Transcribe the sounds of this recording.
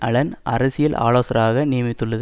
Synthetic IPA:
ʔɐɭɐnʔɐ̰ɾɐsɪjɪlʔa̰ːloːsɐɾaːɣɐnɪjɐmɪt̪ːɯɭːɐð

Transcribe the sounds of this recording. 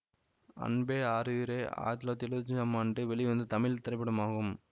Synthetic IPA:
ɐ̰ɳbeːaːɾɯɾeːa̰ːt̪loːt̪ɪlud͡ʒɪnɐmaːɳɖɯʋɛɭɪʋɐnd̪ɯt̪ɐmɪlt̪ɪɾɐɪpːɪɽɐmaːɣɯm

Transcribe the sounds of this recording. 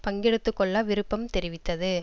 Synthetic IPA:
pɐŋɡɪɽɯt̪ːɯkːɔɭːaːʋɪɾɯpːɐmt̪ɛɾɪʋɪt̪ːɐðɯ

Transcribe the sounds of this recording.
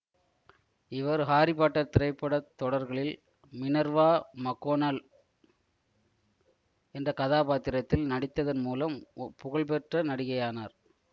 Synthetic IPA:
ɪʋɐɾɦaːɾɪpaːʈːɐt̪ːɪɾɐɪpːɐɽɐt̪ːɔɽɐɾɣɐɭɪl | mɪnɐɾʋaːmɐkːoːnal | ɛndrɐkɐðaːpaːt̪ɪɾɐt̪ːɪlnɐɽɪt̪ːɐðɐnmuːlɐmpʊɣɐɭpɛʈrɐnɐɽɪɣɐjaːnaːɾ

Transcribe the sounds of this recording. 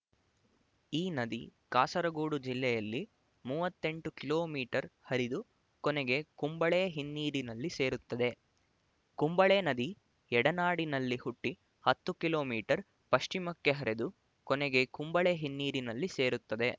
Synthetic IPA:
iːnɐd̪ikaːsɐɾɐɡuːɽud͡ʒilːɛjɐlːi | muːʋɐt̪ːe̞ɳʈukiloːmiːʈɐɾhɐɾid̪u | kɔnɛɡe̞kumbɐɭeɦinːiːɾinɐlːise̞ːɾut̪ːɐd̪e̞ | kumbɐɭeːnɐd̪i | ɛɽɐnaːɽinɐlːihuʈːi | hɐt̪ːukilo̞ːmiːʈɐɾ | pɐʂt͡ʃimɐkːe̞ɦɐɾe̞d̪u | kɔneɡekumbɐɭeɦinːiːɾinɐlːise̞ːɾut̪ːɐd̪e̞

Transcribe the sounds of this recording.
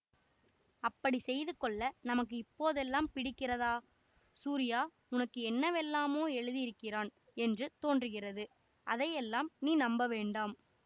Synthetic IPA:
ɐpːɐɽisɛjðɯkɔɭːɐnɐmɐk̬ːɯɪpːoːðɛlːaːmpɪɽɪkːɪrɐðaː | suːɾɪjaː | ʊnɐkːɯɛnːɐʋɛlːaːmoːɛɻɯðɪjɪɾɯkːɪraːn | ɛndrɯt̪oːndrɯɣɪrɐðɯ | ʔɐðɐjɛlːaːmniːnɐmbɐʋeːɳɖaːm

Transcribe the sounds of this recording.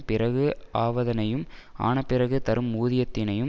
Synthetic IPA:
pɪɾɐɣɯaːʋɐðɐnɐjɯma̰ːnɐpːɪɾɐɣɯt̪ɐɾɯmuːðɪjɐt̪ːɪnɐjɯm

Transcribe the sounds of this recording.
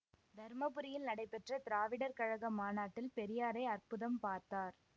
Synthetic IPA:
d̪ʱɐɾmɐpɯɾɪjɪlnɐɽɐɪpɛʈrɐt̪ɪɾaːʋɪɽɐɾkɐɻɐɣɐmaːnaːʈːɪlpɛɾɪjaːɾɐɪɐrpʊðɐmpaːɾt̪aːɾ

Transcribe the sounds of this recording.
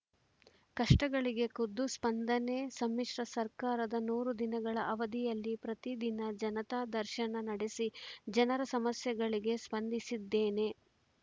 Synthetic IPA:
kɐʂʈɐɡɐɭiɡe̞kud̪ːuspɐnd̪ɐne̞sɐmːiʂɾɐsɐɾkaːɾɐd̪ɐnuːɾud̪inɐɡɐɭɐʔɐʋɐd̪ijɐlːipɾɐt̪id̪inɐd͡ʒɐnɐt̪aːd̪ɐɾʃɐnɐnɐɽesid͡ʒɐnɐɾɐsɐmɐsjɐɡɐɭiɡe̞spɐnd̪isid̪ːe̞ːne̞

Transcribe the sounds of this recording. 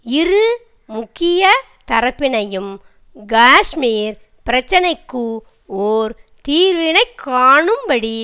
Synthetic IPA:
ɪɾɯ | mʊkːɪjɐ | t̪ɐɾɐpːɪnɐjɯm | ɡaːʂmiːɾ | pɪɾɐt͡ʃːɐnɐɪkːɯ | oːɾt̪iːɾʋɪnɐɪkʰːaːɳɯmbɐɽi

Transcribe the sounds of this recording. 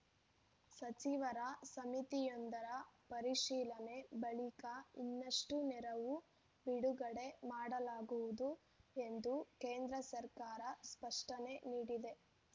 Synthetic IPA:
sɐt͡ʃiʋɐɾɐsɐmit̪ijond̪ɐɾɐpɐɾiʂiːlɐne̞bɐɭikɐinːɐʂʈunɛɾɐʋu | biɽuɡɐɽe̞maːɽɐlaːɡuʋud̪u | e̞nd̪ukeːnd̪ɾɐsɐɾkaːɾɐspɐʂʈɐne̞niːɽid̪e̞

